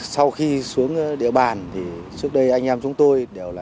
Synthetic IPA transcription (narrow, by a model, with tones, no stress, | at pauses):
sa˧wxi˧su˨˦əŋ˧ɗḭ˧˨əɓaː˨˩nt̪ʰi˨˩ | t͡ɕɨ˦˥ək̚ɗə˧jʔa˧jŋ̟ʔɛː˧mt͡ɕʊ˨˦ŋ͡mt̪o˧jɗe˨˩wlaː˨˩